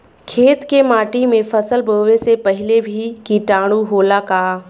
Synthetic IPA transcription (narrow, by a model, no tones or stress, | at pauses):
kʰeːt̪kemaːʈimẽfɐsəlbʱoːʋesepɐɦɪlebʱikiʈaːɽ̃uɦoːlakaː